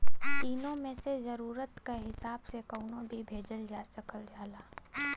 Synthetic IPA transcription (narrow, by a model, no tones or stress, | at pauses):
t̪iːnõmẽsezɐɾuːɾət̪kaɦɪsaːbsekəʊnõbʱibʱeːd͡ʒəld͡ʒaːsəkəld͡ʒaːlaː